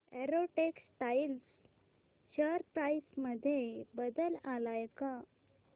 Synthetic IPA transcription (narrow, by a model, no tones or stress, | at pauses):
eɾoʈeksʈails | ɕəɾpɾaisməd̪ʱjebəd̪əlalajka